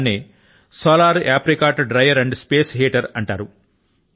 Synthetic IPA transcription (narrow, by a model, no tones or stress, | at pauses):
neː | soːlaːɾaːpɾikaːʈɖɾɐjʋɐɾɐɳɖspeːsɦeːʈɐɾɐɳʈaːɾu